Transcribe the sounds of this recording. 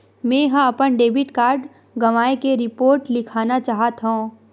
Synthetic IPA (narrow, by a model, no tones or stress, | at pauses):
mɛ̃ːɦãɐpənɖeːbɪʈkaːɾɖ | ɡɐʋaːekeɾɪpoːɾʈlɪkʰaːnat͡ʃaːɦət̪ɦõː